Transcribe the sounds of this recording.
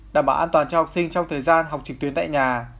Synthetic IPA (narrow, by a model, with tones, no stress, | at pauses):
ɗaː˨˩mɓaː˧˨˦ʔaː˧nt̪waː˨˩nt͡ɕɔ˧hk͡p̚sï˧ŋt͡ɕɔ˧wŋ͡mt̪ʰəː˨˩jzaː˧nɦa˨˩wk͡p̚t͡ɕɨ˨˩k̚t̪wnt̪a̰ː˧˨jɲaː˨˩